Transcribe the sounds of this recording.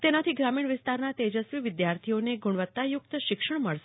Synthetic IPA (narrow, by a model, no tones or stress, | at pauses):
t̪enat̪ʰiɡɾamiɳ̃ʋɪst̪aɾnat̪ed͡ʒəsʋiʋɪd̪jaɾt̪ʰioneɡuɳ̃ʋət̪ːajʊkt̪ʃɪkʂəɳməɭʃ